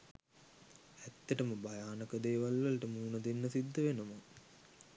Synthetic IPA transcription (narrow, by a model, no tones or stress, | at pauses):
æt̪ːəʈəməbajaːnəkəd̪eːʋalʋələʈəməunəd̪enːəsid̪ʱːəʋenəmə